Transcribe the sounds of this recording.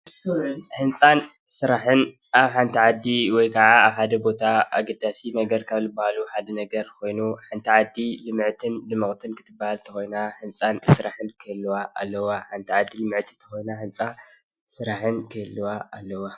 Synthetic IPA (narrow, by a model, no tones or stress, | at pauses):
ħɨnt͡sʼan | sɨɾaħɨn | ʔaβħant̪ʰiʕad̪iwɔjkʰaʕaaβħad̪ɐbo̞t̪ʰaa̰ɡɐd̪asinɐɡɐɾkʰaβzɨbːahaluħad̪ɐnɐɡɐɾkʰo̞jnuħant̪ʰiʕad̪ilɨmʕt̪ʰɨnlɨmɨχʼt̪ʰɨnkʰɨt̪ʰɨbːahalt̪ʰɐxojnaħɨnt͡sʼansɨɾaħɨnkʰɨlːuwaʔa̰lːɐwaħant̪ʰiʕad̪ilɨmɨʕt̪ʰi̥t̪ʰɐ̥xo̞jnaħɨnt͡sʼa | sɨɾaħɨnkʰɨlːuwaalːɐwa